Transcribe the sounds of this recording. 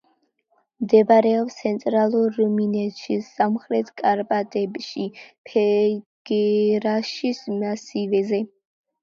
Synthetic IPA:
md̪ɛbaɾɛɔpst̪sʰɛnt̪ʼɾalˠuɾːuminɛt̪ʰʃisamχɾɛt̪ʰkʼaɾbʼat̪ʼɛbʃipʰɛɡ̥ɛɾaʃismasivɛzɛ

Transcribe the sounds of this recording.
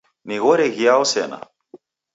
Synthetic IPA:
niɣɔɾɛɣiaɔsɛna̰

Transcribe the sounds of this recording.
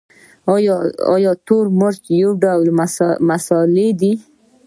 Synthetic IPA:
ɑjɑ̰jɔt̪oɾmʊɾt͡ʃjoɖawlmasɑled̪i

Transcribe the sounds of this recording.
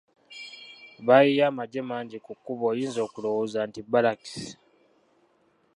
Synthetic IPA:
βajijaːmaɟe̞maːɲɟikukːuβo̞ːjiːnzo̞ːkulowozantibalaki̥s

